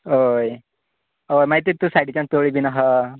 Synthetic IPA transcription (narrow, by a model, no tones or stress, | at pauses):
ɦoj | ɦojmaɦit̪it̪usaʈit͡ɕãnt̪oɭibʱinaɦa